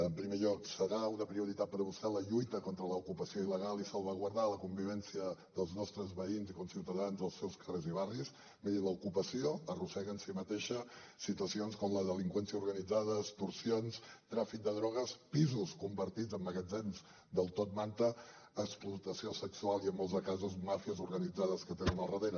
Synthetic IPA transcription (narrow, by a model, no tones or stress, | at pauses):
əmpɾimeʎɔksəɾaunəpɾiuɾit̪at̪̚pəɾβusɛləʎujt̪əkɔnt̪ɾələukupəsioiləɣ̞alˠisəlˠβ̞əɣwəɾðaləkumbiβ̞ɛnsiəðəlˠznɔst̪ɾəzβəinzikonsiwt̪əðanzðəlˠsɛwskəreziβaris | meðələukupəsioərusɛɣənsimət̪eʃəsit̪uəsionskɔmləðəliŋkwɛnsiəuɾɣənid͡zaðəst̪uɾsionst̪ɾafik̚d̪əðɾɔɣ̞əspizuskumbəɾt̪id͡zəmːəɣəd͡zɛnz | d̪əlˠt̪ɔt̪̚mant̪əː | ksplut̪əsiosəksualˠiəmːɔlˠzəkazuzmafiəzuɾɣənid͡zaðəskət̪enənəlˠrəðeɾ